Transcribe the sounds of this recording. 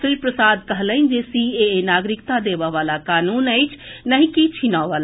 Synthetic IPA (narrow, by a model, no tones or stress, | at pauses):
sɾipɾəsaːd̪kəɦləɪnd͡ʒesienaɡɾikt̪ad̪ebəʋalakaːnuːnəɪt͡ʃʰnəɦĩkit͡ʃʰinaʋala